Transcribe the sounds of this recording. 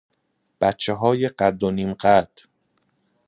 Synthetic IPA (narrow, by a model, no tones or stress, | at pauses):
b̥æt̪t͡ʃʰeɦɒːjeɢæd̪ːoniːmɢæd̪̥